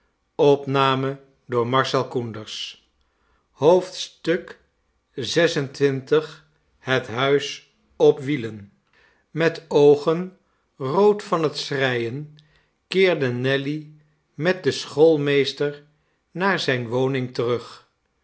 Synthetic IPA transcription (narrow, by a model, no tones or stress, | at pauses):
ɔpnaːmə | dʊːɹmɑɹsɛlˠkundəɹs | ɦowftstɵk | zɛsəntʋɪntəχ | ɦətɦœɥs | ɔpʋilən | mɛtowχən | rowtfɑnɦətsrɛjən | kɪːɹdənɛli | mɛt̚dəsχolˠmejstəɹ | naːɹzɛjnʋownɪŋtərɵχ